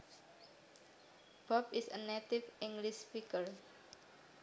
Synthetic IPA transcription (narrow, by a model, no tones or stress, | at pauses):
b̥ɔpisənet̪ifʔiŋɡlispikər